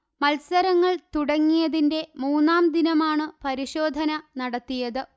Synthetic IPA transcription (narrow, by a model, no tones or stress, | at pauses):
mɐlsɐɾɐŋːɐɭt̪uɽɐŋːijɐðinde̞muːnːaːmd̪inɐmaːɳɨpɐɾiɕo̞ːd̪ʱɐnɐnɐɽɐt̪ːijɐðɨ